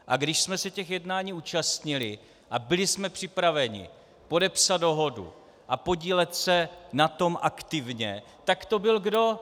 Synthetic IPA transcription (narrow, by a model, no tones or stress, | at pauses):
ʔaɡdɪʃsmɛsɛcɛxjɛdnaːɲiːuːt͡ʃast̪ɲɪlɪ | ʔabɪlɪsmɛpr̥ɪpɾavɛɲɪ̰ | po̞dɛpsad̪̚do̞ɦo̞dṵ | ʔapo̞ɟiːlɛt̪sɛnat̪o̞mʔakt̪ɪvɲɛ | t̪akt̪o̞bɪlɡdo̞